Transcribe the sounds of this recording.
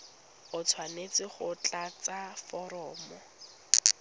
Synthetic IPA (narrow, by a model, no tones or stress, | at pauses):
ʊt͡sʰwanet͡sɪχʊt͡ɬat͡safɔɾɔːmɔ